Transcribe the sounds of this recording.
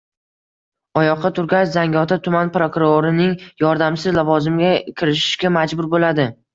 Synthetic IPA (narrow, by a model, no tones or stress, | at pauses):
ɒjɒqʰːɑt̪ʰʊɾɡʲaʃzaŋʲɒt̪ʰat̪ʰʊmanpɾokʊɾoɾɪnɪŋjɒɾd̪amsɪzlavɒzɪmɡʲakʲʰɪɾɪʃɪ̥ʃɡʲamad͡ʒbʊɾbolad̪ɪ